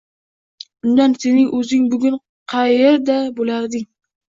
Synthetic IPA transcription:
ʊnd̪ansenɪŋʔɵzɪŋbʊɡʲʊn | qʰɑjeɾd̪abolaɾd̪ɪŋ

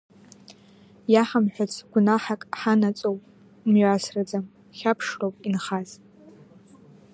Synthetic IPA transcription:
jaħamħʷᶣat͡sʰɡ̥ʷʊnaħakʼħanat͡sʼowpʼ | mɥʷasrad͡zam | χʲapʰʂrowpʼinχaz

